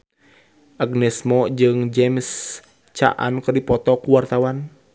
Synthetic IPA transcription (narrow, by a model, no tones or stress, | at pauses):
ʔaɡnɛsmɔd͡ʒɨŋd͡ʒɛms | t͡ʃa̰ʔa̰nkɨrdipɔt̪ɔkuwart̪awan